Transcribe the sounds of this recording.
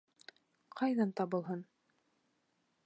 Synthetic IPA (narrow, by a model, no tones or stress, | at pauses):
qʰɑjðɑnt̪ɑβɤ̆lˠɦɤn